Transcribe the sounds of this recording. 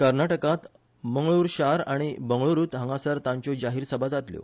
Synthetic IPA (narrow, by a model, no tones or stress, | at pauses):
kəɾnaʈəkat̪ | məŋɡɭuːɾɕaɾaɽ̃ibəŋɡɭuɾuːt̪ɦə̃ŋɡasəɾt̪ãɲt͡ɕod͡ʑaɦiːɾsəbʱad͡zat̪ljo̰